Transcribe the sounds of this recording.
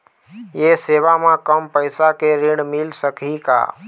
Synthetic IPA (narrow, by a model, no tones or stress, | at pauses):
jeseʋamãkəmpəɪsakeɾeɽmilsəkɦika̰